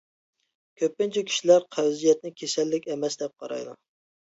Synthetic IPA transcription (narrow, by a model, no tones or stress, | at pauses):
kʲʰøpːɪnt͡ʃʰɛkʲʰi̥ʃilæɾqʰæwzijɛt̪̚nɪkʲʰesɛlːɪkʲɛmɛsd̪ɛp̚qʰɑɾɑ̰jd̪u